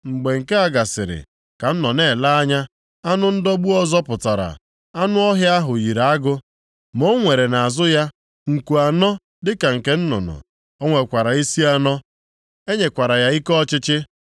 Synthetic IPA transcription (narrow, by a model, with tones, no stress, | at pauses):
ŋ͡m̩˨ɡ͡be˨ŋ̩˨ke˦a˨ɡa˨sɪ̰˨ɾɪ̰˨ | ka˨n̩˦nɔ˨ne˦˨la˦a˦ɲa˦ | a˦nʊ˦n̩˦dɔ˦ɡ͡bu˦ɔ˦zɔ˦pʊ˨ta˨ɾa̰˨ | a˦nʊ˦ɔ˦ɦja˦a˦ɦʊ˨ji˨ɾa˨a˦ɡʊ˦ | mo˦ŋʷe˨ɾe˨na˨a˨zʊ˦ja˦ | ŋ̩˨ku˨a˨nɔ˦ | dɪ˦ka˨ŋ̩˨ke˦n̩˦nʊ̰˨nɔ̰˨ | ɔ˦ŋʷe˨kʷa˨ɾa˨i˦si˦a˦nɔ˦ | e˦ɲe˨kʷa˨ɾa˨ja˦i˦kɔ˦t͡ʃɪ˦t͡ʃɪ˦